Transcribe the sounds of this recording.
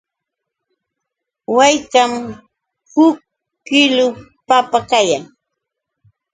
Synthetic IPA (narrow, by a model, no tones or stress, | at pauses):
wajkam | hʊkː | ɪlʊ | papakajaŋ